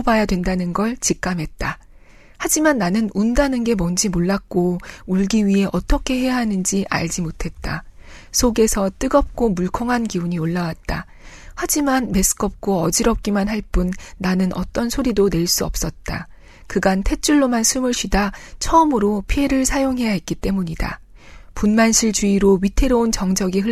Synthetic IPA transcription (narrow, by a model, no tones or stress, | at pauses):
bajadwe̞ndanɯnɡʌɭt͡ɕik̚k͈amɦe̞t̚t͈a | had͡ʑimanːanɯnundanɯnɡe̞mʌnd͡ʑimoɭːak̚k͈ouɭɡiɥiɦe̞ʔʌt͈ʌkʰe̞ɦe̞jaɦanɯnd͡ʑiʔa̰ɭd͡ʑimotʰe̞t̚t͈asʰoɡe̞sʰʌt͈ɯɡʌp̚k͈omuɭkʰʌŋɦanɡiuɲioɭːawat̚t͈a̰ | had͡ʑimanme̞sʰɯ̥k͈ʰʌp̚k͈oʌd͡ʑiɾʌp̚k͈imanɦaɭp͈unːanɯnʔʌ̰t͈ʌnsʰoɾidone̞ɭs͈uʌp̚s͈ʌt̚t͈a̰ | kɯɡantʰe̞t͡ɕ͈uɭːomansʰumuɭɕʰidat͡ɕʰʌːmɯɾopʰie̞ɾɯɭsʰajoŋɦe̞jaɦet̚k͈it͈e̞muɲida̰ | punmanɕʰiɭt͡ɕuiɾoɥitʰe̞ɾount͡ɕʌŋd͡ʑʌɡiɦɯ